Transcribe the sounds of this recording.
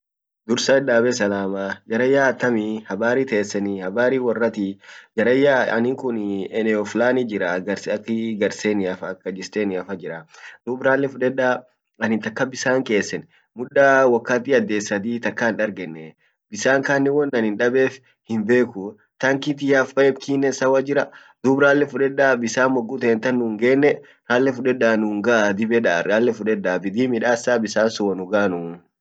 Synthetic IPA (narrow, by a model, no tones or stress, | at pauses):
d̪ʊɾsɐɛᶑaːbɛsɐlaːmaːd͡ʒɐɾɐjːaːɐt̪ːɐmihɐbaːɾiːt̪eːsːɛnɪhɐbaːɾiːwɐrːɐt̪ɪd͡ʒɐɾɐjːaɐ̰nɪŋkʊnɛnɛɔflaːnid͡ʒɪɾaɡɐɾsɐkːɪɡɐɾseːnɪɐfɐkːɐd͡ʒɪst̪eːnɪɐfɐd͡ʒɪɾɐn̥ʊːbɾaːlːɛfʊᶑɛᶑaː | ɐnɪnt̪ɐkːɐbɪsaːŋke̞ːsːɛn | mʊᶑːaːwɐkːaːt̪iːɐd̪ːeːsːɐd̪iːt̪ɐkːanᶑɐɾɡɛnːɛ | bɪsaːŋkaːnːɪwɔnːɐnɪnᶑɐbeːf | hɪmbe̞ːkʊ | t̪ɐŋkit̪ɪɐfɐɛbkiːnːɛsɐwɐd͡ʒɪɾɐ | d̪ʊbɾaːlːɛfʊᶑɛᶑːaːbɪsaːmːɔɡːʊt̪eːnt̪ɐnːuːŋɡeːnːɛ | ɾaːlːɛfʊᶑɛdaːnuːŋɡaʔad̪ɪbɛᶑaːɾaːlːɛfʊᶑɛdːaːbɪd̪iːmɪᶑaːsːaːbɪsaːnsʊwɐnʊɡaːnun